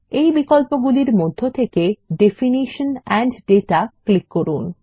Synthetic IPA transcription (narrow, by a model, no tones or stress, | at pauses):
ejbikolpoɡuliɾmod̪ʱːot̪ʰekeɖefiniʃonɛɳɖɖeʈaklikːoɾun